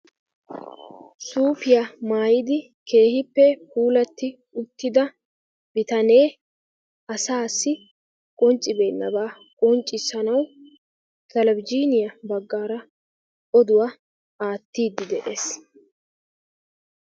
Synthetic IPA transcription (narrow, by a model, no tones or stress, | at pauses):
suːfɪjɐmaːjɪd̪ɪ | kʰe̞ːhɪpːɛpuːlɐt̪ːɪ | ʊt̪ːɪd̪ɐ | b̥ɪt̪ɐne̞ː | ɐsaːsːɪ | kʼɔnt͡ʃʼːɪbe̞ːnːɐ̰baː | kʼɔnt͡ʃʼːɪsːɐnɐw | kɐlɐbɪd͡ʒiːnɪjɐbɐɡːaːɾɐ | ʔɔd̪ʊwa | aːt̪ːiːd̪ːɪd̪ɛʔe̞ːs